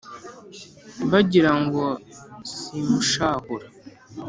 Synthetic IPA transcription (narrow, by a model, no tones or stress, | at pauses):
mbaɟiɾaŋɡɔsimuʃahuɾa